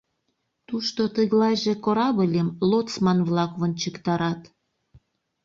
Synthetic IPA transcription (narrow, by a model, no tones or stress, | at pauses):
t̪uʃt̪ot̪əɣlɑjʒĕkoɾɑβəlʲemlot̪t͡smɑnβlɑkβənʲt͡ɕəkt̪ɑɾɑt̪